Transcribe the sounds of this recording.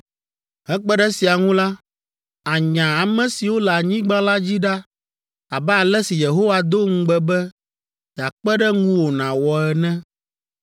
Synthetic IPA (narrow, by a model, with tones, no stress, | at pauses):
ɦɛ̃˦k͡pɛ˦ɖɛ˦si˨a˨ŋũ˦la˦ | a˨ɲã˨a˨mɛ̃˨si˨wo˦lɛ˨a˨ɲĩ˦ɡ͡bã˦la˦d͡ʑi˦ɖa˦ | a˨bɛ˦a˨lɛ˦si˨je˨ɦo˦wa˨d̪o˦ŋ̩̃˦ɡ͡bɛ˦bɛ˦ | ja˨k͡pɛ˦ɖɛ˦ŋũ˦wo˨nã˨wɔ˨ɛ˨nɛ̃˦